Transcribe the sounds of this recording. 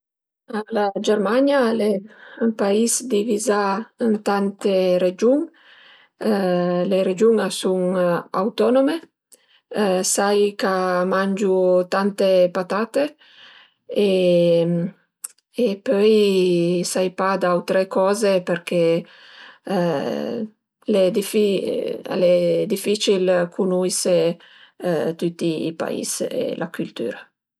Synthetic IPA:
alad͡ʒɛɾmaɲjaleəmpaisd̪ivizaənt̪ant̪eɾed͡ʒuŋ | leɾed͡ʒuŋasuŋa̰wt̪ɔnome | sajkamand͡ʒut̪ant̪epat̪at̪e | e | epøj | sajpad̪awt̪ɾekɔːzepeɾke | led̪ifilɛd̪ifit͡ʃilkʰunuise | t̪ut̪ːḭːpa̰ḭsḛlʔak̟ylt̪y̰ːɾa

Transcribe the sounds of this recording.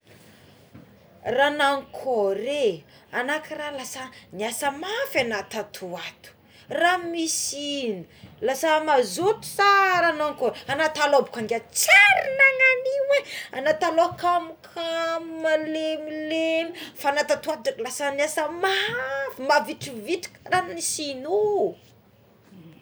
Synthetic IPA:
ranaŋkʰoɾe | anakiralasaniasəmafanat̪at̪ʰuat̪u̥ | ramisinilasamazot̪u̥saɾanaŋkoɾeanat̪aloabukaŋɡʲat͡seɾinaŋaniwea̰nat̪alokamukʰamumalemilenifanat̪at̪uat̪uʈ͡ʂakilasaniasəmafimaviʈ͡ʂiviʈ͡ʂi̥kramnisinu

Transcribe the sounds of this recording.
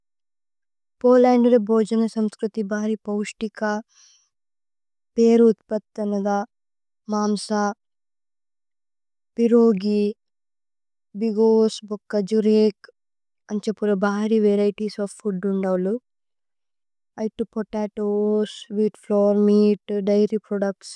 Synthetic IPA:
poːlaːɳɖɾebʱoːd͡ʒɐnɐsɐmskɾut̪ibʱaːɾiːpɐwʂʈika | peːɾut̪̚pɐt̪ːɐnɐd̪a | maːmsa | piɾoːɡi | biɡoːsbɔkːɐd͡ʒuɾeːk | ɐnt͡ʃepːuɾɐbʱaːɾiʋeɾɐjʈiːsɔːfːuɖuɳɖɐwlu | ɐjʈːupɔʈaːʈoːsʋiːʈfloːɾmiːʈɖɐjɾipɾoɖɐk̚ʈs

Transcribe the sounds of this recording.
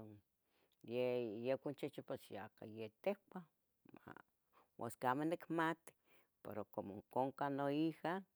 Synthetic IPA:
o | jejekʷant͡ʃet͡ʃipesjaka̰jet̪ehkʷa | ma̰ | wʔo̰skamanikmat̪i̥ | pḛɾokomoŋkoŋkanoiha

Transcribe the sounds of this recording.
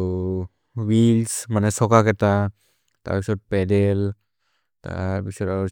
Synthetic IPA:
wilsmanɛsɔkakɛta | ta̰ɹpisɔt̚pɛdɛl | ta̰ɹpisɔta

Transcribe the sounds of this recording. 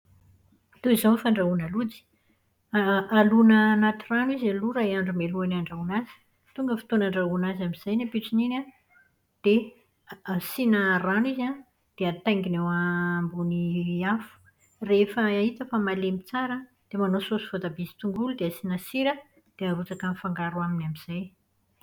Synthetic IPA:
t̪uizonfaɳɖ͡ʐaunalud͡zi̥ | aalunaːnat̪iranuizaluɾaeaɳɖ͡ʐumeluanaɳɖ͡ʐaunazi̥ | t̪uŋɡəfi̥t̪onaɳɖ͡ʐaunazamiz̥ajnapiʈ͡ʂinina | d̪̥e | asinaraniza | d̪̥eat̪ajŋɡinewambuniafu̥ | refəait̪əfamalemit͡saɾə | d̪̥emanososu̥vod̪abizi̥t̪uŋɡulud̪easinasiɾə | d̪̥eaɾut͡sakənifaŋɡaɾuaminamiz̥aj

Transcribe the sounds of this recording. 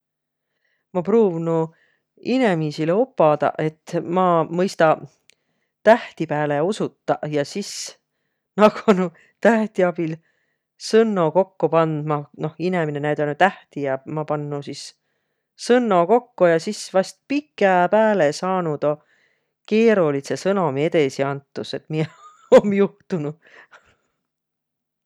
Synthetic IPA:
mɑpruːvnu | ine̞misileopːˑɑd̪̥ɑ̰ʔe̞t̪ːmɑmɤjst̪ɑ | t̪æht̪ipæːleusut̪ːɑjɑsis | nɑɡ̥nu | t̪æht̪iɑb̥il | sɤnːo̞ko̞kːupɑnd̪̥̚mɑno̞hineminenæjd̪onut̪æht̪iɑmɑpɑnːusis | sɤnːo̞ko̞kːujɑsisvɑst̪̚pikːˑepæːlesɑːnud̪̥o | ke̞ːɾulisesɤno̞mie̞d̪e̞siɑnt̪ːˑuse̞t̪mie | omjuht̪unu

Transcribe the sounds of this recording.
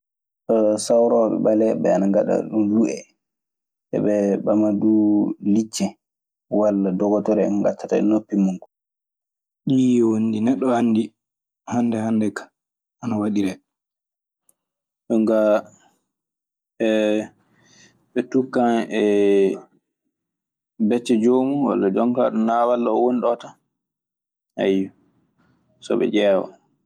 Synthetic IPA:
ɗɔsawɾɔɓɛ̰ɓalɛɓɛ̰anaŋɡaɗa̰ɗunluʔɛ̰ | ʔɛ̰ɓɛɓamadulit͡ʃːɛ | walːadɔɡɔtɔɾɛɛɡa̰tʰːataɛ̰nopːimuŋɡu | ɗiwondinɛɗːɔhanːdi | handɛhandɛkḁ | anawaɗiɾɛ | ɗuŋɡa | ɛ | ɓɛtukːanɛ | bɛt͡ʃːɛd͡ʒoːmuwa̰lːad͡ʒɔŋkaɗɔnawalːɔːwonɗɔta | ha̰jːu | sɔ̰ɓɛ̰d͡ʒɛːwɔ̰

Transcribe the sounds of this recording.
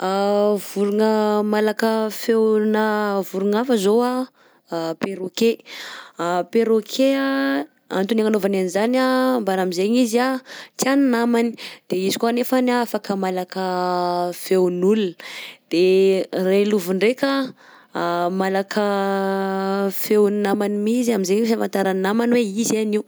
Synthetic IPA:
avuɾuŋəmalakəfewnavuɾuŋafəzoa | peɾoke | peɾokʰea | a̰nt̪unaŋanovananizanambaɾamizeɲizat̪annamani̥d̪̥eizikuanefanafakəmalakə | fewnulund̪̥ereluvuɳɖ͡ʐeka | malakʰə | fewnnamanimiziamizeɲifavant̪aɾannamanweizaniw

